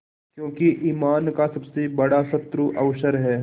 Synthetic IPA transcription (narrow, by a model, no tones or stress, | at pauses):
kjõːkiʔiːmaːnkasɐbsebɐɽasɐt̪ːɾuʔɐʋʃəɾɦɛː